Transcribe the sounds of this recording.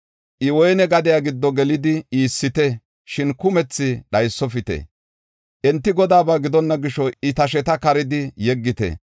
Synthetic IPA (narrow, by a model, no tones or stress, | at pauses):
ʔɪwɔjnɛɡɐd̪ɪjaɡɪd̪ːɔɡɛlɪd̪ɪiːsːɪt̪ɛ | ʃɪnkʊmɛt͡sːɪɗɐjsːɔfɪt̪ɛ̰ | ʔɛnt̪ːɪɡɔd̪aːbaɡɪd̪ɔnːɐɡɪʃɔɪt̪ɐʃ̬ɛt̪ɐkɐɾɪd̪ɪjɛɡːɪt̪ɛ̰